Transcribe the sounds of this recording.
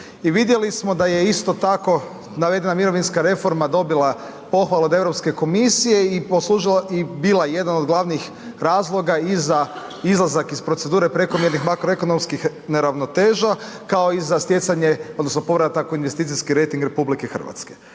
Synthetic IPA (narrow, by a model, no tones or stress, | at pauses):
iʋid̪je̞lismo̞d̪aje̞ist̪o̞t̪ako̞ | naʋe̞d̪e̞namiɾo̞ʋinskaɾe̞fo̞ɾmad̪o̞bila | po̞xʋalˠaod̪e̞ʋɾopske̞ko̞misije̞iposlˠuːʒilaibilaje̞d̪ano̞d̪ɡlˠaʋnix | ɾaːzlˠo̞ɡaiza | izlˠazakispɾose̞d̪uːɾe̞pɾe̞komje̞ɾnixmakɾoeko̞no̞mskix | ne̞ɾaʋno̞t̪e̞ːʒa | kao̞izast̪je̞t̪saɲe̞od̪nosnopo̞ʋɾat̪akoinʋe̞st̪iːt̪siskiɾe̞jt̪iŋɡɾe̞publikexr̩ʋa̰t̪ske̥